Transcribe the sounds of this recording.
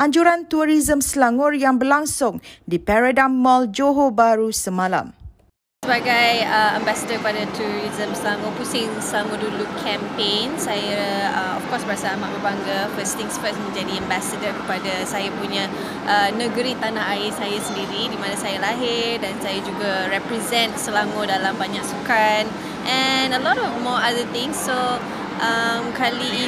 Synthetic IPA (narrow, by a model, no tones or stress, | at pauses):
ʔaɲd͡ʒuɾant̪uɾizəmsəlaŋʊrjaŋbərlaŋsʊŋdipɛɾadamːɔld͡ʒoɦobaɾusəmãla̰m | səbaɡajəɛmbasədərkəpadat̪uɾizəmsəlaŋɔpusɪŋslaŋɔdulukʰɛmpensajaəɔ̰fkɔsbəɾasaamaʔbərbaŋɡafəst̪ɪ̃ŋsfəsmə̃nd͡ʒadiɛ̃mbasədəkə̥padasajapuɲa | ʔənəɡəɾit̪anahaɪsajasəndiɾidimãnasajalaɦɪrdansajad͡ʒuɡaɹɛpɾizɛ̃ntsəlaŋodalambaɲaʔsukan | ʔɛnəlɔtɔfmɔadət̪ɪ̃ŋsːo | ʔamkʰali